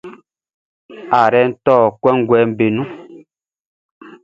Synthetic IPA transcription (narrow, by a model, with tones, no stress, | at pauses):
a˨ɾɛ˦n̩˦tɔː˦˨kwɛ˦ŋ˦ɡwɛ˨˦m̩˦be˨nũ˦